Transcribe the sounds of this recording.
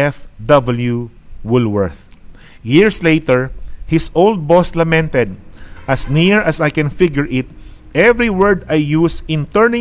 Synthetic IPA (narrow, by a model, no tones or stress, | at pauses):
ɛfd̪ʌbəljuwʊlwɛɹθ | jɪɹslejt̪ɛɹhɪsold̪̚bɔslɐmɛ̃nt̪ɛd̪̚ʔɐsniɹɐsajkɛ̃nfɪɡjʊɹʔɪt̪̚ | ʔɛvɹiwɛɹd̪ajːusɪ̃nt̪ɛɹnɪ̃